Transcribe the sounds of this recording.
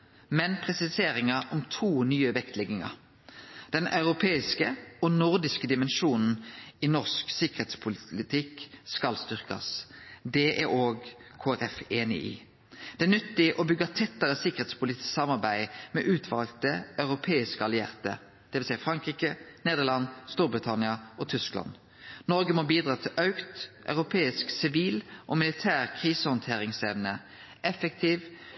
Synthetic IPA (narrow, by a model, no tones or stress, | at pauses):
mɛnpʰʁɛsɪseːʁɪŋɑɔmt̪ʰuːnyːəʋɛkt̪ʰlɛɡɪŋɑ̰ | d̪̥ɛnʔɑʉʁʊpʰeːɪskəɔnʊʁd̪ɪskəd̪ɪmɛnʃuːnn̩inɔʁsksɪkəʁet̪spʰʊllɪt̪ʰɪkskɑlst̪ʏʁkɑ̰sd̪ɛʔæɾoːɡkʰoːæʁɛfeːnɪ̰ʔḭː | d̪̥ɛæʁnʏt̪ːɪʔɔbʏɡɑt̪ʰɛt̪ːəʁəsɪkəʁ̩eːt̪spʰʊlɪːt̪ɪ̥ssɑmɑʁbæɪmɛ̰ːʔʉːt̪ʰʋɑlɡt̪əɑʉʁʊpʰeːɪskəɑlɪḛːʁt̪ə̰ | d̪̥ɛʋɪlsæɪfʁɑŋkʁiːkəneːd̪əʁlɑnst̪uːɾbʁɪt̪ʰɑnɪɑʔɔt̪ʰʏsklɑ̰n | nɔʁɡəmɔbiːd̪ʁɑːt̪ʰɪlʔɑʉkt̪ʔœ̰ʉʁʊpʰeːɪsksɪʋiːlʔɔmɪlɪt̪ʰæːʁkʰʁiːsəhɔnt̪ʰeːɾɪŋsɛʋnə | ʔɛfəkt̪ʰiːʋ